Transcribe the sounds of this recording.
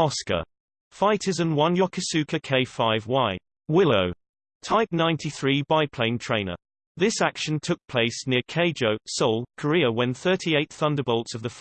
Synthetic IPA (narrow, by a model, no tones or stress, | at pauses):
ɒskə̰ | faɪtʰəzə̃nwʌ̃njəkʰəsʉˑkʰəkʰeɪfaɪvwaɪ | wɪləʊ | tʰaɪp̚nãɪ̃ntʰiθɹiːbaɪpʰl̥ẽɪ̃ntʰɹ̥ẽɪ̃nə̰ | ðɪsakʃə̃ntʰʊk̚pʰl̥eɪsnɪəkʰeɪd͡ʒəʊsɔʊlˠkʰəɹɪəwə̃nθɜˑtʰieɪt̪θʌ̃ndəbɔʊlˠtsəvðəf